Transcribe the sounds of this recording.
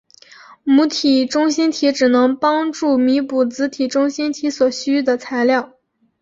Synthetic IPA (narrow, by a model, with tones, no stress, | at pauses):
mu˧˥t̪ʰi˨˩ʈ͡ʂʊ˥ŋɕi˥nt̪ʰi˧˥ʈ͡ʂɻ̩˨˩nɤ˧˥ŋpɑ˥ŋʈ͡ʂu˥˩mi˧˥pu˨˩t͡sɹ̩˧˥t̪ʰi˨˩ʈ͡ʂʊ˥ŋɕi˥nt̪ʰi˧˥swɔ˨˩ɕy˥d̪ə˩t͡sʰa˧˥ɪljɑ˥˩ʊ